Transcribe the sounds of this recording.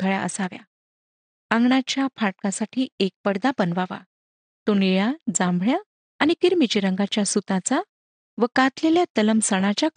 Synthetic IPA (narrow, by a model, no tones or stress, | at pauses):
t̪əɭjaʔə̰saʋja̰ | aŋɡɳat͡ɕjafʰaʈ̚kasaʈʰiːek̚pəɽd̪apənʋaʋa̰ | t̪oniɭãd͡zãmbʱɭjaː | ñikiɾmit͡ɕiɾəŋɡat͡ɕjasut̪at͡sa | ʋəkat̪leljat̪ələmsəɳ̃at͡ɕjak